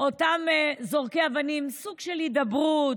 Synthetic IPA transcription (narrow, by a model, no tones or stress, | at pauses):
otamzoʁkeavanimsuɡʃelhid̪abʁut